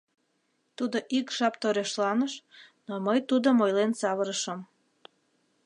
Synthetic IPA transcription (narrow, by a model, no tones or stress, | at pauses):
t̪ud̪oʔikʒ̥ɑpt̪oɾeʃlɑnəʃnoməjt̪ud̪omojlensɑβəɾəʃəm